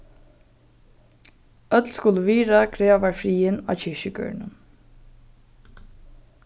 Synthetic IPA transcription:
œt̪lskʊləʋiːɾakʰɾeːʋaɹfɾiːɪna̰ːt͡ɕɪʃəɡœ̰ːɹnə̰n

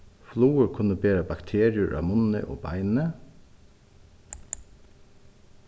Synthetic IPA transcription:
fluːəɹkʰʉnəbeːɾɑbɑkt̪ʰeːɾɪəɹʔɑ̰ːmʊnə̰ʔo̰ːbɑ̰ɪnnə

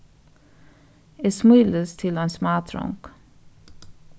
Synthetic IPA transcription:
eːsmyːləst̪ʰɪlɛnsmɑːt̪ʰɾɔ̰ŋk

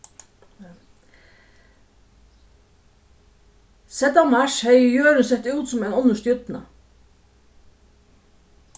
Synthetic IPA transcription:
sɛt̪amaʃhɛɪjøːɾɪnsɛht̪uːt̪sʊmɛɪnɔnːʊʂt̪jʏt̪na̰

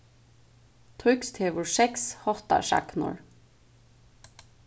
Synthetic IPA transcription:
t̪ʰʁʏkst̪ʰeːʋʊɹsɛkshɔht̪a̰ʃɑ̰knʊ̰ɹ

